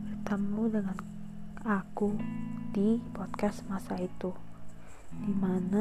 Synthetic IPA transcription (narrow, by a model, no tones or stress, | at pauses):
bərt̪əmudəŋan | akud̥ipɔd̪̚kasmasait̪u | d̥imana